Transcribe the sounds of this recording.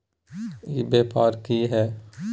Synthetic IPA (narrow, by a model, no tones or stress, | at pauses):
jebeːpaːɾkiɦɛː